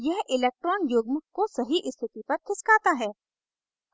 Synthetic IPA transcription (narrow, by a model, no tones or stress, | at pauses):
jɛɦɪleːk̚ʈɾɔːnjoːɡmʊkkːosɐɦiʔɪst̪ʰɪt̪ipɐɾk̪ʰɪskaːt̪aɦɛː